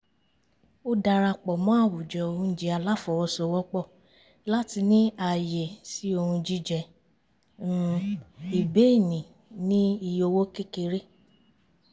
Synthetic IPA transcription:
o˦da˧ɾa˧k͡pɔ˨mã˦a˦˨wu˨d͡ʒɛ˨o˧ũ˦˧˦d͡ʒe˧a˧la˦fɔ˨wɔ˧sɔ˧˦wɔ˦k͡pɔ˦˨ | la˦ti˧nĩ˦a˨je˨si˨˦o˧hũ˧d͡ʒi˦d͡ʒɛ˧˦ | i˨be˦i˦˨nĩ˨ | nĩ˦i˧jo˧wo˦ke˦ke˧ɾe˦

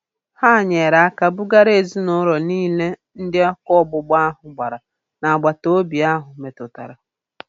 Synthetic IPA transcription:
ha˦˨ɲe˨ɾa˨a˦ka˦bʊ˦ɡa˦ɾe˨zi˦nʊ˦ɾɔ˨niː˦le˦ | n̩˦dɪ˦a˦kɔ˦bʊ˦ɡ͡ba˦ɦʊ˨ɡ͡ba˨ɾa˨ | na˨a˨ɡ͡ba˨to˦bi˨a˦ɦʊ˨me˨tʊ˨ta̰˨ɾa˨

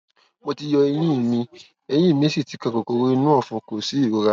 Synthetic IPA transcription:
mo˧ti˧jɔ˧ɛ˧j̃ĩ˦i˦˨mĩ˧ | ɛ˧j̃ĩ˦˨mĩ˧˦si˦˨ti˨˦kã˧ko˨ko˧ɾo˧i˧nũ˦ɔ˦˨fũ˧ko˨si˨˦i˦˨wo˨˦ɾa˧

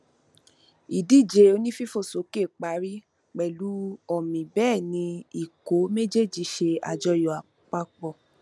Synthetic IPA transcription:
i˨di˨˦˨d͡ʒe˨˧o˧nĩ˦fi˦fo˦˨so˨˦ke˦˨k͡pa˨˦ɾi˦ | k͡pɛ˨lu˨˦ɔ˦˨mĩ˨bɛː˦˨nĩ˧i˨ko˨˦me˦d͡ʒe˦˨d͡ʒi˧˦ʃe˧a̰˨d͡ʒɔ˧jɔ˨a˨ | k͡pa˧k͡pɔ˧˨

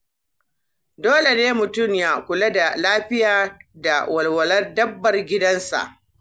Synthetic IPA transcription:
doː˦le˨neː˦mʊ˨tʊ˦˨mja˦kʷʊ˨lɐ˦da˨laː˦ɸɪ˦jaː˨da˨wɐ˨lwɐ˨lɐ˦rdɐ˦bːɐ˨rɡʲɪ˦dɐ˦nsa̰˨ʔ

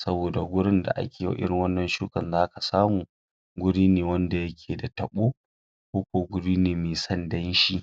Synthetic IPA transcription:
sɐ˦boː˨da˨ɡʷʊ˦ɽɪ˦nda̰˨ʔa̰˦kʲeː˨ja̰˨˦ʔɪ̰˦ɽɪ˨ŋwɐ˦nːɐ˨nʃuː˦kɐ˨nzaː˦ka˨saː˦muː˨ | ɡʷʊ˦ɽiː˦neː˨wɐ˦nda˨jɐ˦kʲʰeː˨da˨tɐ˨ɓoː˦ | kʷoː˦kʷoː˦ɡʷʊ˦ɽiː˦neː˨meː˨sɐ˦ndɐ˦nʃi˦

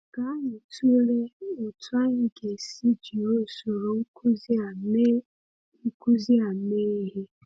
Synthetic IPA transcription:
ɡ̥a˨˦ɲi˨tu˦ɾe˦o˨twa˦ɲ̩˦ɡe˨si˦d͡ʒi˨o˦˨so˨ɾo˨ŋ̩˦kʰu˦z | ŋ̩˦ku˦zi˦a˨me˦ɦe˦

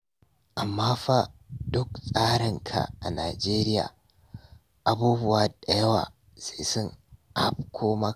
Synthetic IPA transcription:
ʔa˨mːaː˦ɸa˦dʊ˦ksʼaː˦ɽɪ˨ŋkʰa̰˨ʔa̰˨naː˨d͡ʒeː˦ɾɪ˦ja̰ː˨ | ʔa˨buː˦bʊ˦waː˨da˨jɐ˦wa̰ː˨ | se˨sʊ˦ŋʔa̰˦b̚kʷʰoː˦ma˦

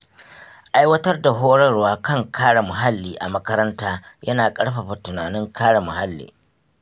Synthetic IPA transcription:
ʔa˦jwɐ˦tɐ˦rda˨ɦoː˦ɽɐ˦rwaː˦kɐ˦ŋkʰaː˦ɽa˨mʊ˨ɦa˦lːiː˨ʔa̰˨mɐ˦kɐ˦ɾɐ˦ntaː˦jɐ˦naː˨kʼɐ˦ɽɸɐ˨ɸa˨tʊ˨naː˨nɪ˦ŋkʰaː˦ɽa˨mʊ˨ha˦lːḭː˨

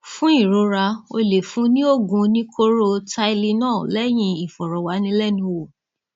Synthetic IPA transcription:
fũ˦i˦˨ɾo˨˧˦ɾa˧o˧le˨fũ˨˦nĩ˦o˦˨ɡũ˧nĩ˦kʰo˦ɾo˦ta˧i˧li˧nãː˦˨lɛ˦j̃ĩ˧i˨fɔ˨ɾɔ˨wa˨˦nĩ˧˦lɛ˦nũ˧˦wo˨

